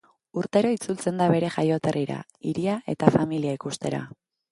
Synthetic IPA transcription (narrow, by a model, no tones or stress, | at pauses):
uɾt̪e̞ɾo̞it͡sult͡se̞nd̪aβe̞ɾe̞ʝajo̞t̪e̞riɾa̰ | iɾiae̞t̪afamiliaikust̪e̞ɾa̰